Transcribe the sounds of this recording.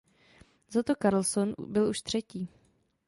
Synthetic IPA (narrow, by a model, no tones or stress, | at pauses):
zat̪o̞kaɾl̩son̰bɪluʃt̪r̝̥ɛciː